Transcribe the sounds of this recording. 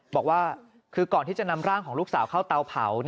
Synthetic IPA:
bɔː˨˩k̚waː˥˩ | kʰɯː˧kɔː˨˩nt̪i˥˩t͡ɕa˨ʔna˧mɾaː˥˩ŋkʰɔː˩˦ŋluː˥˩k̚saː˩˦wkʰa˥˩wt̪a˧wpʰa̰˩˦wn

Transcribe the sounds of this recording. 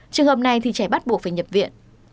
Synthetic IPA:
t͡ɕɨ˨˩əŋhə˨˧˩p̚na˧jt̪ʰi˨˩t͡ɕɛ˧˩ɓa˦˥t̚ɓu˨˩ək̚faː˧˩ɲə˨˩p̚vḭ˧˨ən

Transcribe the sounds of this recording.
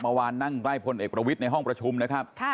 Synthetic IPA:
ma˧waː˧nːa˥˩ŋkla˥˩jpʰo˧nʔeː˨˩k̚pɾa˧wi˦˥t̪̚na˧jɦɔ˥˩ŋpɾa˧t͡ɕʰu˧mna˦˥kʰa˦˥p̚ʰ

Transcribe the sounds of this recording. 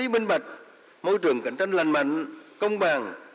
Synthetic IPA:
i˨˦˥ɓi˧ŋɓa˨˩k̚ | mo˧jt͡ɕɨ˨˩əŋkə̰˧˩˦ŋ̟t͡ɕa˧jŋ̟la˨˩ŋma̰˧˨jŋ̟kə˧wŋ͡mɓaː˨˩ŋ

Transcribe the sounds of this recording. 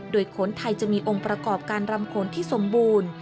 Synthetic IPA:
doː˧jkʰo˩˦nt̪ʰa˧jt͡ɕa˨˩ʔmiː˧ʔo˧ŋpɾa˧kɔː˨˩p̚kaː˧nɾa˧mkʰoː˩˦nt̪ʰiː˥˩so˩˦mbuː˧n

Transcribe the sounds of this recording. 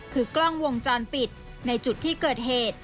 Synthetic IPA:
kʰɯː˧klɔ˥˩ŋwo˧ŋt͡ɕɔː˧npi˨˩t̪̚ | na˧jt͡ɕu˨˩t̪ʰːiː˥˩kɤː˨˩t̪̚ɦeː˨˩t̪̚

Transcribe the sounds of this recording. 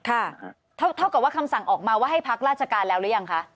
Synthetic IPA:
kʰa˥˩ | t̪ʰa˥˩wt̪ʰa˥˩wka˨˩waː˥˩kʰa˧msa˨˩ŋʔɔː˨˩k̚maː˧waː˥˩ɦa˥˩jpʰa˦˥k̚ɾaː˥˩t͡ɕʰa˧˩kaː˧nlɛː˦˥wɾɯ˦˥ja˧ŋkʰa˦˥ʔ

